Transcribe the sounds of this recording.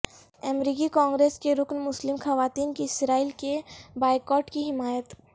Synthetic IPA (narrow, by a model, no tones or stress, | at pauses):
ɛmɾiːkikɔ̃ːŋɡɾeːskeɾʊknmʊslɪmxɐʋaːt̪iːnkiɪsɾaːiːlkebaːɪkɔːʈkiɦɪmaːjət̪